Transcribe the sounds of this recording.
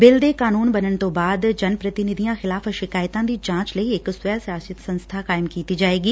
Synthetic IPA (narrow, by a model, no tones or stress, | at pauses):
bɪld̪ekaːnuːnbɐnəɽ̃ɪ̆t̪obaːd̪d͡ʒɐnpɾɐt̪ɪnɪd̪ʱijãxɪlaːfʃɪkaːjt̪ãd̪id͡ʒãːt͡ʃləiɪksʋəsjaːsɪt̪sɐ̃nst̪ʰakaːɪmkiːt̪id͡ʒaːeːɡiː